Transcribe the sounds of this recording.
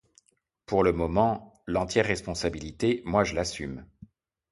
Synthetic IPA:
puʁləmɔmɑ̃lɑ̃t̪jɛʁːɛspɔ̃sabilit̪emwaʒəlasym

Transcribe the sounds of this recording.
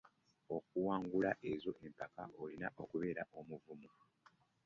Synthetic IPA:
o̞k̚uwaːŋɡulaʔe̞zo̞ʔe̞mpakaolinaʔo̞kuβe̞ːɾaʔo̞muvumu

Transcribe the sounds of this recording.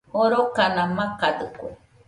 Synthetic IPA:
hoɾokanãmãkad̪ɨkʷe

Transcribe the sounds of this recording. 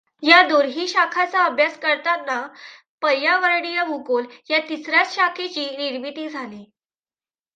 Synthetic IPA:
jad̪uːɾɦiːɕakʰat͡saəbʱjaskəɾt̪anːa | pəjaʋəɾɽijamukoljat̪isɾjat͡sɕakʰet͡ɕiːniɽbit̪iːd͡zʱaliː

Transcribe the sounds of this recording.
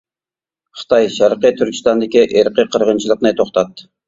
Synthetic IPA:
χə̥t̪ʰɑjʃæɾqət̪ʰyɾkʲi̥st̪ɑnd̪ɪkʲiʔeɾqəqʰəɾʁənt͡ʃʰilˠəqnɨt̪ʰoχt̪ʰɑt̪

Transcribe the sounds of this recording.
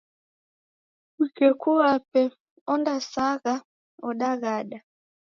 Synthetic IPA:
ikɛkuapɛ | ɔndasaɣa | ɔɗaɣaɗa

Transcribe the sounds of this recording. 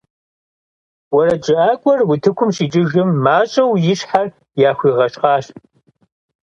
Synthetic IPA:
wɔɾɐd͡ʒʼɨʔaːkʷʼɔrwʊtʰɨkʷʰʊmʂiːt͡ʃʼɨʒɨmːaːt͡ʃʼɐwjɪɕħar | jaːxʷiːʁɐɕʼqɑːɕ

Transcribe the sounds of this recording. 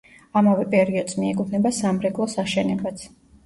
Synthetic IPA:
amavɛpʼɛɾiɔd̪smiɛkʼud̪ʰnɛbasamɾɛkʼlˠɔsaʃɛnɛbat̪sʰ

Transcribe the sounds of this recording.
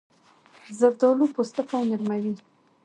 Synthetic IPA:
zaɾd̪ɔlupost̪afawnɪɾmawi

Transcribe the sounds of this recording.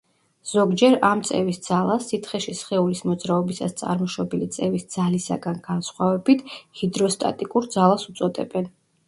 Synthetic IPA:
z̥ɔɡd͡ʒɛɾamt̪sʼɛ̰visd̪zalˠasːit̪ʰχɛʃisχɛulismɔd̪zɾaɔbisa̰st̪sʼa̰ɾmɔʃɔbɛlit̪sʼɛvisd̪z̥alisa̰ɡanɡ̥ansχwavɛbit̪ʰhid̪ɾɔst̪ʼa̰t̪ʼikʼuɾd̪zalˠasut̪sʼɔd̪ɛ̰bɛn

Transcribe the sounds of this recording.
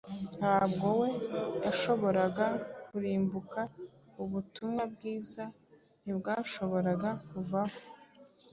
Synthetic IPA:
n̥haːbɡo̞we̞jaʃo̞βo̞ɾaɡakuɾiːmbuka | uβutumŋab̚ɡiːza | nibɡaːʃo̞βo̞ɾaɡakuvaho

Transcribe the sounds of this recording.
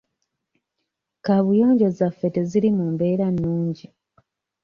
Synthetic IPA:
kaβujo̞ːɲɟo̞zafːeteziɾimumbe̞ːɾanːuːɲɟi

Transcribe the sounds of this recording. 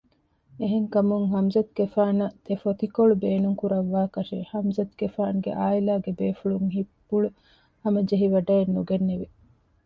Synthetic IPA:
eɦeŋkɐmuŋɦɐmzɐt̪̚ɡefaːnɐt̪efot̪ikoɭubeːnuŋkuɾɐʋːaːkɐʃehɐmzɐt̪ɡefaːnɡḛʔaːilaːɡebeːfuɭuŋɦipːuɭu | hɐmɐd͡ʒeɦiʋɐɖɐenːuɡenːeʋe

